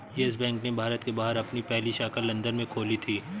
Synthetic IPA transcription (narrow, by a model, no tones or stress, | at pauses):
ɛs̬bɛ̃ːŋknebʱaːɾət̪kebaːɦəɾɐpnipɛɦliʃakəlːɐ̃nd̪əɾmẽkʰoːlit̪ʰiː